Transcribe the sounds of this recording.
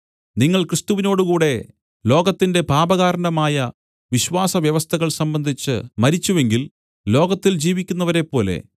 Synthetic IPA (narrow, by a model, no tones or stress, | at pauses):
niŋːɐɭkrɨst̪uʋino̞ːɽukuːɽe̞ | lo̞ːɡɐt̪ːinde̞paːbɐɣaːɾɳɐmaːjɐ | ʋiɕʋaːsɐʋjɐʋɐst̪ʰɐɣɐɭsɐmbɐnd̪ʱit͡ɕːɨ̰mɐɾit͡ɕːuʋe̞ŋɡil | lo̞ːɡɐt̪ːild͡ʑiːʋikʲːunːɐʋɐɾe̞pːo̞ːle̞̰